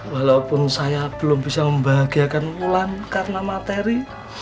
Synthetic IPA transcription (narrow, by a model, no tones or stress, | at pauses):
walawpʊnsajab̥əlʊmbisaməmbaɦaɡiakanmulankarənamat̪eɾi